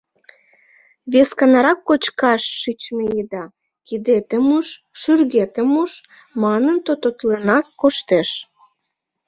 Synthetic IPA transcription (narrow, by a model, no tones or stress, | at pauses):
βeskɑnɑɾɑkːot͡ɕkɑʃːyt͡ɕmeid̪ɑ | kid̪et̪əmuʃːyrɣet̪ə̆muʃ | mɑnənt̪ot̪ot̪lenɑkːoʃt̪eʃ